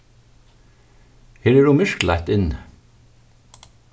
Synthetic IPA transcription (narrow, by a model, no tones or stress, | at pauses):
heːɹeːɖuːmʏʃklæ̰ɪt̪ɪn